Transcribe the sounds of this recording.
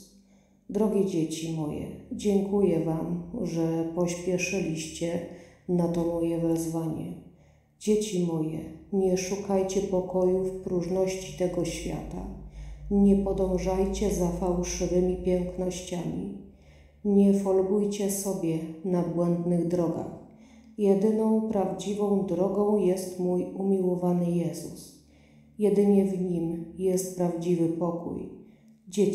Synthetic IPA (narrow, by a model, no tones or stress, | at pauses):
d̪ɾɔɡʲɛd͡ʑet͡ɕimɔjɛ̰d͡ʑɛŋkujɛvamʐɛpɔɕpʲjɛʂɘlʲiɕt͡ɕɛnat̪ɔmɔjɛvɛzvaɲɛ̰ | d͡ʑet͡ɕimɔjɛ̰ɲɛʂukajt͡ɕɛpɔkɔjufpɾuʐnɔɕt͡ɕi̥t̪ɛɡɔɕfʲja̰t̪a̰ | ɲɛpɔd̪ɔ̃w̃ʐajt͡ɕɛzafawʂɘvɘmʲipʲjɛŋknɔɕt͡ɕamʲḭ | ɲɛfɔlɡujt͡ɕɛsɔbʲjɛnabwɛnd̪nɘɣd̪ɾɔɡa̰x | jɛd̪ɘnɔ̃w̃pɾavd͡ʑivɔ̃w̃d̪ɾɔɡɔ̃w̃jɛst̪mujumʲiwɔvanɘjɛzṵs | jɛd̪ɘɲɛvɲimjɛst̪̚pɾavd͡ʑivɘpɔkṵj | d͡ʑɛ